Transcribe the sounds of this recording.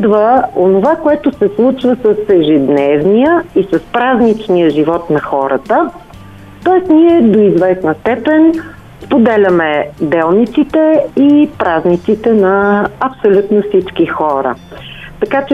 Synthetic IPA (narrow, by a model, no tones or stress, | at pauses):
d̪vəonovakoɛt̪osɛslˠut͡ʃvəsəsɛʒid̪nɛvnijəisəspɾaznit͡ʃnijəʒivɔt̪nɐxɔɾət̪ə | t̪ɔɛsniɛd̪oizvɛsnəst̪ɛpɛnʲ | spod̪ɛlʲɐmɛd̪ɛlˠnit̪sit̪ɛipɾaznit̪sit̪ɛnɐːpsolʲut̪nofsit͡ʃkixɔɾə̰t̪ɐkat͡ʃɛ